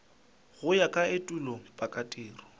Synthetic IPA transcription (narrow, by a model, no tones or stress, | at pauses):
ɣʊjakʼaetʼulɔpʼakʼatʼiːrɔ